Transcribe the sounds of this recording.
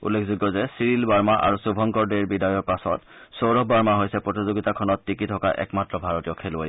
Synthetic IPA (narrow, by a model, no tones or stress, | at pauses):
ṵlːekʰzuɡːɔzɛsiɹilbaɹmaʔa̰ɹusubʱɔŋkɔɹdeɹbidajɔɹpasɔ̰t | sowɹɔbaɹmaɦojsɛpɹotizoɡitakʰɔnɔtːikitʰɔka̰ʔɛ̰kmatɹɔbʱaɹɔtijɔkʰelaj